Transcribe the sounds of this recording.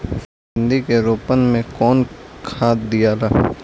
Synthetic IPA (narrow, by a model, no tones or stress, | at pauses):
ʃɪ̃nd̪ikeɾoːpənmẽkɔːnkʰaːt̪d̪ijalaː